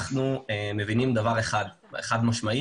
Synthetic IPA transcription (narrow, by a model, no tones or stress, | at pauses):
χnueme̞vinimd̪avaʁeχad̪ | ḛχad̪maʃmai